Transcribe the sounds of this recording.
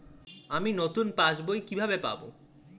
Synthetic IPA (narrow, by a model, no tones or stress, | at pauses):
aminot̪unpãd͡ʑbojkibʱabepa̰bo̰